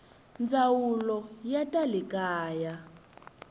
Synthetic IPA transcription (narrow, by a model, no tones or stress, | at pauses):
nd͡zawulɔjatʼalikaːja